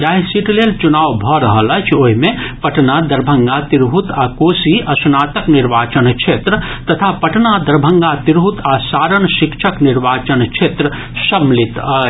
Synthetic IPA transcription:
d͡ʒaːɦisiʈljəlt͡ʃʊnaːʋbʱɔɾɐɦələt͡ʃʰoɦimẽpɐʈnad̪ɐɾbʱəŋɡat̪iɾɦut̪aːkoːsiʔɐsnaːt̪əknɪɾʋaːt͡ʃənkʃʰeːt̪ɾət̪ɐt̪ʰapɐʈnad̪ɐɾbʱə̃ŋɡat̪ɪɾɦut̪asaːɾənʃɪkʃʰəknɪɾʋaːt͡ʃənkʃʰeːt̪ɾə | sɐmlɪt̪ɐ

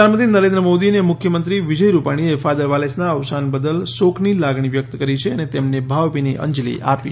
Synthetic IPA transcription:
anmət̪inəɾẽnd̪ɾəmod̪inemʊkʰjəmənt̪ɾiʋid͡ʒəjɾupaɽ̃iefad̪əɾʋalesnaəʋsanbəd̪əlsokʰnilaɡɳ̃iʋjək̚t̪kəɾit͡ʃʰeənet̪emnebʱaʋpiniʔə̰̃ɲd͡ʒlḭʔa̰pi

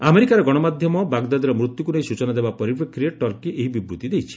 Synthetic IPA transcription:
ameɾikaɾɔɡɔɽ̃ɔmad̪ʱjɔmɔbaɡd̪ad̪iɾɔmɾut̪jukunejsut͡ʃɔnad̪ebapɔɾipɾɔkʰːɾieʈɔɾkiʔeɦibibɾut̪id̪ejt͡ʃʰi̥

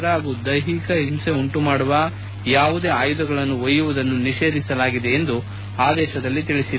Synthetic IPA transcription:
ɾɐaːɡuːd̪ɐjɦikɐɦimse̞uɳʈumaːɽuʋa | jaːʋud̪e̞ːaːjud̪ɐɡɐɭɐnːuʋɐjːuʋud̪ɐnːuniʃe̞ːd̪isɐlaːɡid̪e̞ːnd̪u | aːd̪ɛːʃɐd̪ɐlːit̪iɭisi

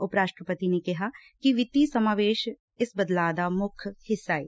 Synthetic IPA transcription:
ʊpɾaːʃʈɾəpət̪inekɪɦakiʋɪt̪isəmaːʋeːʃ | ɪsbəd̪laːd̪amʊkʰhɪsːaːḛː

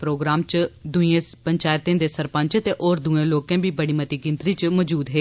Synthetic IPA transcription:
pɾoːɡɾaːmt͡ʃd̪ʊiẽːpəɲt͡ʃaːjt̪ẽːd̪eːsəɾpə̃ɲt͡ʃt̪eːʔoːɾd̪uːẽːloːkɛ̃ːbʱiːbəɽiːmət̪iːɡɪnt̪ɾiːt͡ʃmɔːd͡ʒuːd̪ɦeː

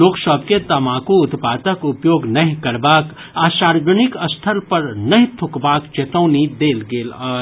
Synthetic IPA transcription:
loːksɔbket̪ɐmaːkõʊt̪paːt̪əkʊpjoːɡnɐɦĩkɐɾbaːk | aːʃaːɾd͡ʒənɪkɐst̪ʰəlpɐɾnɐɦĩt̪ʰʊkbaːkt͡ʃeːt̪ə̃ːnid̪eːlɡeːlaː

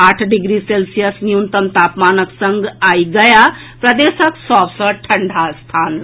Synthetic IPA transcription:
aʈʰɖiɡɾiselsijəsnijunt̪əmt̪apmanəksəŋɡajɡəja | pɾəd̪esəksɔbsə̃ʈʰəɳɖʱast̪ʰan

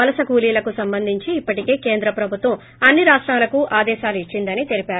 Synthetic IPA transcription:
ɐlɐsɐkuːliːlɐkusɐmbɐnd̪ʱiɲt͡ʃiːpːɐʈike̞ːkeːnd̪ɾɐpɾɐbʱut̪ʋɐm | ɐnːiɾaːʂʈɾaːlɐkuʔaːd̪ɛːʃaːluit͡ʃːind̪ɐnit̪elipaːɾu

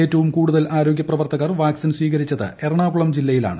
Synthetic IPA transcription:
e̞ːtːɐʋumkuːɽuðɐlaːɾoːɡjɐprɐʋɐrt̪ɐɣaːrʋaːksinswiːɣɐɾit͡ɕːɐðɨ̰erɐɳaːɡuɭɐmd͡ʑilːɐjila̰ːɳɨ

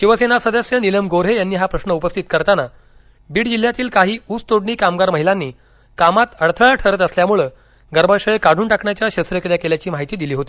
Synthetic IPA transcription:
ɕiʋəsenasəd̪əsjəniləmɡoɾɦejanːiːɦapɾəsnəupəst̪ʰit̪kəɾt̪ana | biːɽd͡ʑil̤ːjat̪iːlkaɦiːuːt͡st̪oɽɳiːkamɡaɾməɦilanːiː | kamat̪əɽt̪ʰəɭaʈʰəɾət̪əsljamuɭə | ɡəɾbãɕəjekaɽ̤uːnʈakɳjat͡ɕjaɕəsɾəkɾjakeljat͡ɕiːmaɦit̪iːd̪iliːɦot̪iː

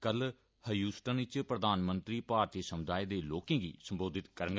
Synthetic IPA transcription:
kəl | həjuːsʈənɪt͡ʃpɾəd̪aːnmə̃nt̪ɾiːpaːɾt̪iːsəmʊd̪aːeːd̪eːloːkẽːɡḭːsəmboːd̪ɪt̪kəɾə̃ŋɡ

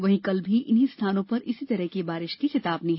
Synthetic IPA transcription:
ʋɐɦĩkɐlbʱiʔɪnɦist̪ʰaːnõpɐɾɪsit̪ɐɾəɦkebaːɾɪʃkit͡ʃɪt̪aːbnĩɦ

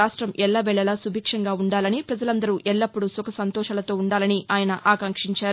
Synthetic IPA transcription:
aːʂʈɾɐmʔɛlːaːʋɛɭɛlaːsubʱiːkʂɐŋɡaːuɳɖaːlɐnipɾɐd͡ʒɐlɐnd̪ɐɾuʔɛɭːɐpːuɽusɔkɐsɐnt̪ɔːʃɐːlɐt̪o̞ːuɳɖaːlɐniʔaːjɐnɐʔaːkɐŋkʂiɲt͡ʃaːɾu

